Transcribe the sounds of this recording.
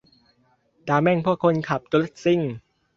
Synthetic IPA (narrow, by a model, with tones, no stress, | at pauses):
daː˧mɛ˥˩ŋpʰu˥˩əkʰːo˧nkʰa˨˩p̚t͡ɕ̪u˧le˦˥˩t̪̚si˥˩ŋ